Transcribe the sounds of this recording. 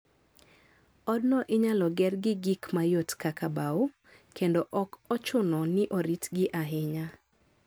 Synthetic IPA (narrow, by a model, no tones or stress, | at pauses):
ɔdnɔʔɪɲalɔɡɛrɡɪɡikmajotkakabao | kendoʔɔkɔt͡ʃʊnɔnɪʔoɾitɡɪʔaɦɪɲa